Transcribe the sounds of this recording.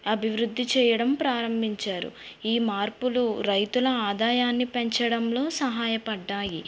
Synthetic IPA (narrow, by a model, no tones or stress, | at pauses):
ɐbʱiʋɾud̪ʱːit͡ʃɛːjɐɽɐmpɾaːɾɐmbʱiɲt͡ʃaːɾṵiːmaːɾpuluɾɐjt̪ulɐaːd̪aːjaːnːipeɲt͡ʃɐɽɐmlo̞ːsɐɦaːjɐpɐɖːaːji